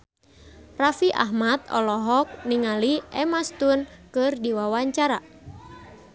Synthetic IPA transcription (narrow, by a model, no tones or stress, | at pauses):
rafiʔa̰ɦmat̪̚ɔ̰lɔɦɔk̚niŋaliʔɛmast̪unkɨrdiwawaɲt͡ʃaɾa